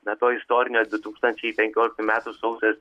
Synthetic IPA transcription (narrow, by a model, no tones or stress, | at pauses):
nɐt̪oːɪst̪oːɾʲɪnʲoːd̪ʊt̪uːkst̪ɐnʲt͡ʃʲɛɪpʲɛŋʲkʲoːlʲɪk̚t̪umʲæːt̪usɐʊsʲɛs